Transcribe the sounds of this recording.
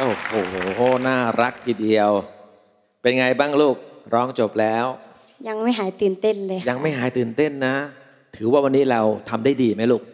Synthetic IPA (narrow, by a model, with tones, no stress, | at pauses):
ʔo˧˩hoː˨˩˦naː˥˩ɾa˦˥k̚t̪ʰiː˧di˧əw | pe˧nŋa˧jbaː˥˩ŋluː˥˩k̚ɾɔː˦˥ŋt͡ɕo˨˩p̚lɛː˦˥w | ja˧ŋma˥˩jɦaː˩˦jt̪ɯː˨˩nt̪e˥˩nlɤː˧jja˧ŋma˥˩jɦaː˩˦jt̪ɯː˨˩nt̪e˥˩nːa˦˥ | t̪ʰɯː˩˦waː˥˩wa˧nːiː˦˥ɾa˧wt̪ʰa˧mdaː˥˩jdiː˧ma˦˥jluː˥˩k̚